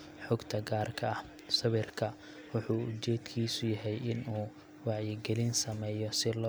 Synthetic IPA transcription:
ħʊɡt̪ʰɐɡaːrkʰɐɐh | sɐβɪrkʰɐ | wʊħuːʊt͡ʃɛːd̪kʰiːsʊjɐɦɛjʔɪnuː | wɑʕjɪɡɛlɪnsɐmɛːjɔsɪlɔː

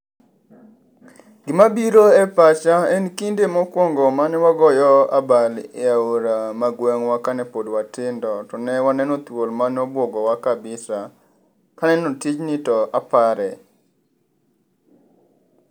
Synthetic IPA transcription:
ɡ̥ɪmabiɾoɛpat͡ʃaɛnkindemɔkwɔŋɡɔmanɛwaɡɔjɔa̰balɪaoɾamaɡwɛŋwakanɛpodwatɪndɔtɔnɛwanɛnot̪wolmanɔbwɔɡɔwakabɪsa | kanɛnotit͡ʃnɪtɔʔapaɾɛ

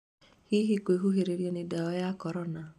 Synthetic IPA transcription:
hiɦikʷeɦuɦeɾeɾjenedaɔjakɔɾɔna

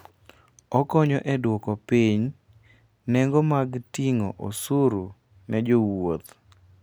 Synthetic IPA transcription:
ɔkɔɲɔʔɛdwɔkɔpiɲ | nɛŋɡɔmaɡtiŋɔ̰ʔosuɾu | nɛd͡ʒowot̪

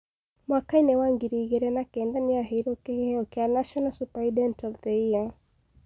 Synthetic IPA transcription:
mwakainɛwaŋɡiɾiɣɛɾɛnakɛndaniaɦɛɾɔkɛhɛɔkianaʃɔnasupaidɛntɔltɛia

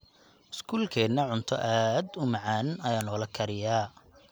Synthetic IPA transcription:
ʔɪskʰuːlkʰɛːd̪nɐʕʊnt̪ʰɔ̰ʔaːd̪ʊmɐʕɑːnɪnɐjaːnɔːlɐkʰɐɾɪjaː

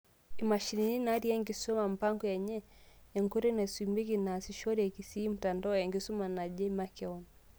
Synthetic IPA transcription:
imaʃinininaɾiaŋɡisɔmam̩paŋɡɔjɛɲɛɛŋɡuɾinasimbikinasiʃɔɾiɛkisiːm̩tandɔjɛŋɡisɔmanad͡ʒɛmakɛɔn

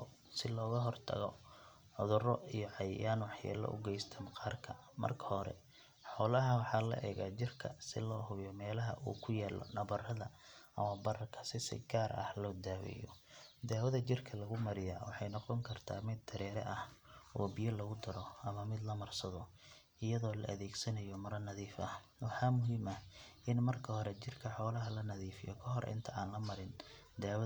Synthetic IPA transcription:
sɪlɔːɣɐɦɔrt̪ʰɐ̰ɣɔ | ʕʊðʊrɔijɔʕɑjɪ̰jaːnwɑħja̰ːlɐ̰ʔʊ̰ɡɛjst̪ʰɐmqɑːrkʰɐ | mɐ̰rkʰɐ̥hɔɾɛ̰ | ħɔːlɐɦɐwɑħɑːlɐ̰ʔɛ̰ːɣaːt͡ʃɪrkʰɐ̰sɪ̰lɔːhʊβjɔmɛːlɐɦɐ̰ʔṵːkʰʊjaːlɔ̰nɐβɐrɐðɐɐmɐbɐrɐkʰɐ̥sɪsɪ̰ɡaːɾɐ̰hlɔːd̪aːwɛ̰jɔ̰ | d̪aːwɐðɐt͡ʃɪrkʰɐlɐɣʊmɐɾɪjaːwɑħɑjnɔqɔŋkʰɐrt̪ʰa̰ːmɪd̪ːɐɾɛːɾɛ̰ʔɐhʔɔːbɪjɐlɐɣʊd̪ɐɾɔʔɐmɐmɪd̪lɐmɐrsɐðɔ | ʔɪjɐðɔːlɐ̰ʔɐðɛːɡsɐnɐjɔmɐɾɐnɐðiːfɐh | wɑħɑːmʊɦiːmɐʔɪnmɐrkʰɐhɔɾɛt͡ʃɪrkʰɐħɔːlɐɦɐlɐnɐðiːfɪjɔ̰kʰɐɦɔɾ̰ʔɪ̰nt̪ʰɐʔaːnlɐmɐɾɪn | d̪aːw

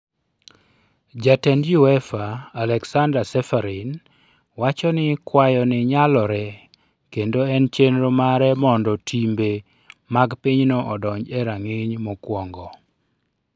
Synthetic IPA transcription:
d͡ʒatɛnjuɛfaːlɛksandɾasɛfaɾin | wat͡ʃɔnɪkwajɔnɪɲalɔɾɛ | kendoɛnt͡ʃenɾomaɾɛmɔndɔtʰimbe | maɡpiɲnoʔɔdɔɲd͡ʒɛɾaŋɪɲmɔkwɔŋɡɔ

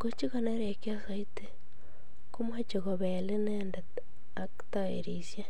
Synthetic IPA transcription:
kot͡ʃiɣoneɾekjasaite | kumwat͡ʃeɣoβeleneːnda | aktaḛɾisja

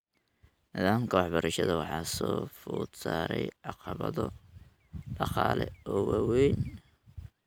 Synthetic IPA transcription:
nɪðaːmkʰɐwɑħbɐɾɐʃɐðɐwɑħɑːsɔːfuːt̪saːɾɛjʕɑqɑβɐðɔ | ɖɑqɑːlɛɔwɑwɛjn

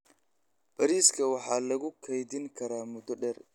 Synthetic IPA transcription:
b̥ɐɾiːskʰɐwɑħɑːlɐɣʊkʰɛjðɪŋkʰɐɾaːmʊd̪ɔɖɛr

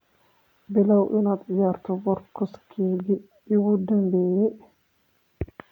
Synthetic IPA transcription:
bɪlɐwʔɪnad̪ʕɪjaːɾt̪ʰɔbɔɾkɔskʰeːɡi | ɪwʊd̪ɐmbɛːjɛ

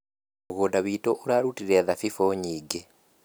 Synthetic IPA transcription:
uɣodaβitoʔuɾaɾutiɾeːðafifoɲiːɡe

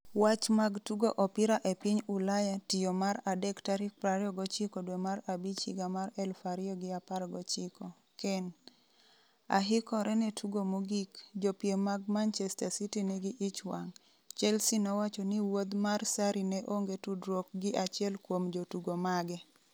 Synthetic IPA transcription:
wat͡ʃmaɡtuɡoʔɔpɪɾaʔɛpiɲulajatɪjomaɾadɛktaɾɪk̚pɾaɾɔɡɔt͡ʃikɔdwɛmaɾabit͡ʃḭɡamaɾɛlfaɾɪɔɡɪapalɡɔt͡ʃɪkɔ | kɛn | a̰ɦɪkɔɾʔɛnɛtʰuɡomoɡikd͡ʒopjemaɡmant͡ʃɛstasitinɛɡɪʔɪt͡ʃwaŋ | t͡ʃɛlsinɔwat͡ʃɔniwod̪marsaɾinɛʔoŋɡetudɾok̚ɡɪʔat͡ʃɪɛlkwomd͡ʒotuɡomaɡɛ

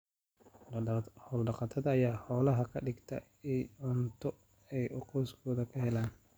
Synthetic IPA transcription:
hɔːlɖɑqɑt̪ʰɐðɐːjaːhɔːlɐɦɐkʰɐɖɪɡt̪ʰɐ̰ | iɔnt̪ʰɔ | ɛjʔɔqɔːskʰɔːðɐkʰɐhɛlaːn

